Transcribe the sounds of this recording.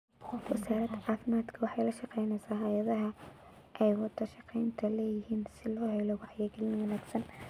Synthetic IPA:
wɐsaːɾɐd̪ʕɑːfmaːd̪kʰɐwɑħɑjlɐʃɑqɛjnɛjsaːɦɐjɐðɐɦɐ | ʔɛjwɑd̪ɐʃɑqɛjnt̪ʰɐlɛːjɪhiːnsɪlɔːhɛlɔwɑħjɐɡlɪnwɐnaːɡsɐn

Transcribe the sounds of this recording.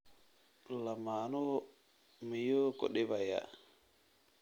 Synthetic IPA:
lamanɔ | mijokɔ̰ɗɛbaja̰

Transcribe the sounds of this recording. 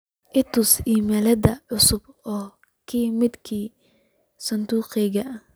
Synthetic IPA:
ʔɪt̪ʊsiːmɛlɐd̪ɐʕʊsʊbɔː | kʰiːmɪd̪kʰiː | sɐnd̪uːqɛɣɐ

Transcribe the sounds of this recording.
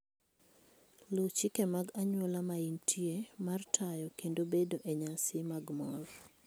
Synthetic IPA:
lot͡ʃikemaɡaɲwɔlamaintʰiemartʰajɔkendobedoʔeɲasɪmaɡmɔr

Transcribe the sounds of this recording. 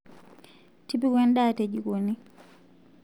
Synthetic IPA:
tipikwɛnɗaːted͡ʒikoni

